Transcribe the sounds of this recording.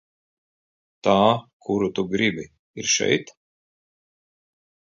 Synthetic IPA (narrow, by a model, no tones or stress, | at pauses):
t̪aːkʰuɾut̪uɡɾibi | iɾʃɛ̰jt̪